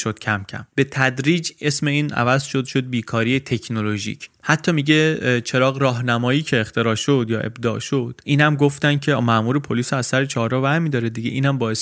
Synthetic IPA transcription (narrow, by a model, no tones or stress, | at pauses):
ʃod̪̥̚cʰæmcʰæ̰mb̥e̞t̪ʰæd̪ɾiːd͡ʒe̞sme̞iːnʔæ̰væzʃo̞d̪ʃo̞d̪̚biːkʰɒːɾiːjet̪ʰe̞kʰnoloʒḭcʰhæt̪ʰːɒːmiɟe̞t͡ʃʰe̞ɾɒːɣɾɒːɦnæmɒːjiːcʰe̞ːχt̪ʰe̞ɾɒːʃod̪jɒːʔe̞̰bd̪ɒ̰ːʔʃo̞d̪̥iːnæmɡoft̪ænd̪kcʰe̞ɒmæmuːɾepʰoliːsæzsæɾet͡ʃʰɒːɾɒːvæɾmiːd̪ɒːɾed̪iɟeʔiːnæmbɒːjes